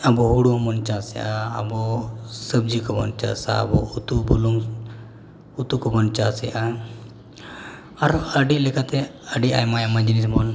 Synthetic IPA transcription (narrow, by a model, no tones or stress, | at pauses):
abɔɦuɽũmɔnt͡ʃasɛʔa̰ːbɔsəbd͡ʒikɔbɔnt͡ʃa̰sa̰bɔut̪ubuluŋ | ut̪ukɔbɔnt͡ʃasɛʔa | aɾəɖilɛkat̪ɛəɖiajmajamad͡ʒinismɔn